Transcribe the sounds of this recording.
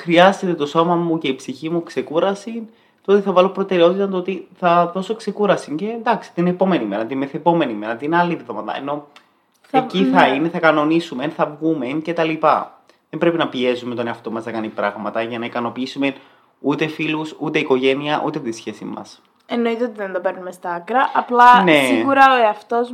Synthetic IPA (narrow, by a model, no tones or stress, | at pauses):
xɾiɐzet̪et̪o̞so̞mɐmuce̞ipsiçimukse̞kuɾɐsin | t̪oot̪eθɐvɐlo̞pɾo̞t̪e̞ɾeo̞t̪it̪ɐnɐt̪oot̪iθɐðo̞so̞kse̞kuɾɐsiɲce̞nd̪ɐksi̥t̪inepo̞me̞nime̞ɾɐt̪inmeθepo̞me̞nime̞ɾɐt̪inɐliðiðo̞mɐt̪ɐ̰ḛno̞ | eciθɐine̞θɐkɐno̞nisumenθɐvɣumence̞t̪ɐlipɐ | ðembɾe̞pinɐpie̞zumet̪o̞neɐft̪o̞mɐznɐkɐnipɾɐɣmɐt̪ɐʝɐnɐikɐno̞piisumen | ut̪e̞filusut̪e̞iko̞ʝe̞niɐʔut̪e̞t̪isçe̞sḭmɐ̰s | enoit̪eot̪iðend̪ɐpeɾnumest̪ɐɐkɾɐʔɐplɐne̞siɣuɾɐoɐft̪o̞s